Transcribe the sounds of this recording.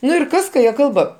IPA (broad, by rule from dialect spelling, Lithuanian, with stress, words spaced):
ˈnʊ ɪr ˈkɐs kɐ ˈjiɛ ˈkɐlˠbɐ